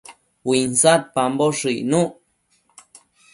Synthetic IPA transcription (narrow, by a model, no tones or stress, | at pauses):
winsat̪̚pamboʂɨnũʔ